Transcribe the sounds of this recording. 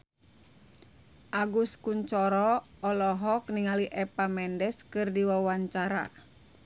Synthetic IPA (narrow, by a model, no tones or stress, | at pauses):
ʔaɡuskuɲt͡ʃɔɾɔɔlɔɦɔk̚niŋaliʔɛpamɛndɛskɨrdiwawaɲt͡ʃaɾa̰